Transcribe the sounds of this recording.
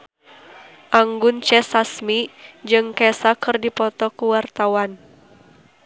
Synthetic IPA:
ʔaŋɡʊnt͡ʃɛsasmid͡ʒɨŋkɛsakɨrdipɔt̪ɔkuwart̪awan

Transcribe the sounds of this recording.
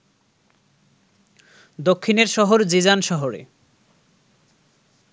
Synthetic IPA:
d̪okʰːineɾʃɔɦoɾd͡ʑid͡ʑanʃɔɦoɾḛ

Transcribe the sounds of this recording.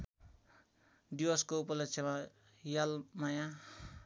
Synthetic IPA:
ɖiwʌskoupʌlesʰema | jalmaja

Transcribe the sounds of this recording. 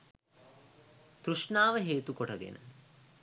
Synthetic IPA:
t̪ɾuʂɳaːʋəɦeːt̪ukoʈɐɡḛnə̰

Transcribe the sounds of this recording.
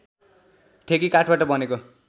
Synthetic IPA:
ʈʰekikaʈʰbaʈʌbʌneko

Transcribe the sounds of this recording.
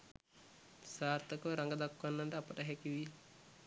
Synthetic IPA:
saːɾt̪əkəʋɾaŋɡəd̪akːʋanːanɖəapəʈəɦɛkiʋi

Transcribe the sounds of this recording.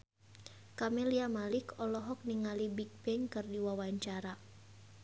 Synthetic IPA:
kamɛliamalikɔlɔɦɔk̚niŋalibik̚bɛŋkɨrdiwawaɲt͡ʃaɾa

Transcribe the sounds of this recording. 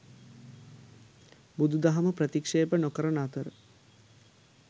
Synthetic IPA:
bud̪ud̪aɦɐməprət̪ikʂeːbənokəɾənat̪əɾə

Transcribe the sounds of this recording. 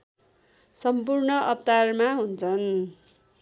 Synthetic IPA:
sʌmpurnʌʔʌpt̪armaɦunt͡sʰʌn

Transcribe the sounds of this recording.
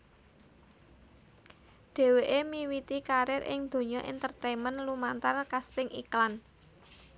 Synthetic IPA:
ɖ̪̥e̤weʔemiwit̪ikaɾɪɾʔɪ̰ŋd̪̥o̤ɲɔʔḭnt̪ərt̪ejmənlumant̪arkast̪ɪŋʔiklan

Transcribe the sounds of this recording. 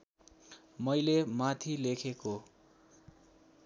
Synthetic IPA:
mʌjlemat̪ʰilekʰeko

